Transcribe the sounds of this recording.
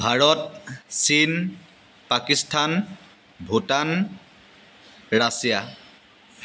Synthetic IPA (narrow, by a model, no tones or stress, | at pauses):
bʱaɹɔt̚sin | pakistʰan | bʱutan | ɹasija